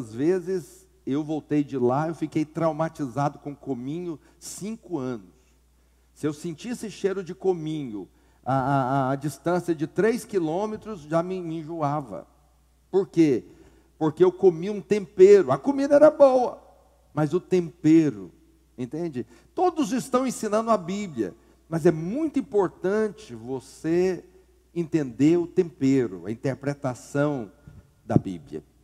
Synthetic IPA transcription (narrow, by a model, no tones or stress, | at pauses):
zvezɪz | ewvowt̪ejd͡ʒɪlaewfikejt̪ɾawmat͡ʃizad̪ʊkõkomĩɲʊ | sĩkʊɐ̃nʊs | sɪewsẽt͡ʃiesɪʃejɾʊd͡ʒɪkomĩɲʊ̰ | aaːd͡ʒist̪ɐ̃sijɐd͡ʒɪt̪ɾejskilõmet̪ɾʊzʒamɪmĩʒuavɐ̰ | poɾke | poɾkeewkomiũt̪ẽmpeɾʊɐkomid̪ɐɛɾɐbowɐ | mɐzʊt̪ẽmpeɾʊ̰ | ẽnt̪ẽnd͡ʒɪ | t̪od̪ʊzɪst̪ɐ̃w̃ẽsĩnɐ̃nd̪ʊɐbibljɐ̰ | mɐzɛmũj̃t̪ʊĩpoɾt̪ɐ̃t͡ʃɪvose | ẽnt̪ẽnd̪eɾʊt̪ẽmpeɾʊ̰ɐ̰ĩt̪eɾpɾet̪asɐ̃w̃ | d̪ɐ̰bḭbljɐ̰